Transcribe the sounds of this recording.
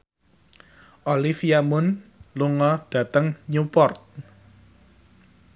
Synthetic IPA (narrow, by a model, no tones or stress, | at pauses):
ʔolifiamʊnluŋɔɖ̥ä̤t̪əŋɲupɔrt̪̚